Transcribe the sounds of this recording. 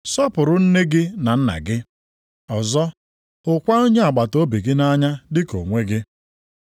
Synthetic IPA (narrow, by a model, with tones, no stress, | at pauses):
sɔ˦pʊ˨ɾʊ˨n̩˦ne˦ɡɪ˦na˨n̩˦na̰˨ɡɪ˦ | ɔ˨zɔ˦ | ʊ˨kʷa˦o˦ɲe˦a˨ɡ͡ba˨to˦bi˨ɡɪ˦na˦ɲa˦dɪ˦ko̰˨ŋʷe˦ɡɪ˦